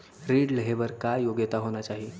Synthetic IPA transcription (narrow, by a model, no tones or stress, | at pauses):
ɾiɽləɦeʋəɾkajjoɡjət̪aɦoñjat͡ɕaɦi